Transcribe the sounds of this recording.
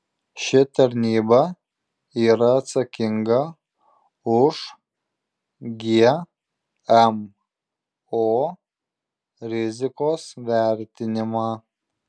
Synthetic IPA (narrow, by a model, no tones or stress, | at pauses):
ʃʲɪt̪ɐɾʲnʲiːbɐ | iːɾɐːt̪sɐkʲɪŋɡɐ | ʊʃ | ɡʲe | ɛm | oː | ɾʲɪzʲɪkoːsʋʲæɾʲt̪ʲɪnʲɪmɑː